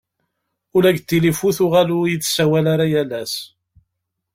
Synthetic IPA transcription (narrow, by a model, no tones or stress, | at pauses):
ʊlæɡt̪ːilifuθʊʁalʊjit͡sːsæwælaɾajælæs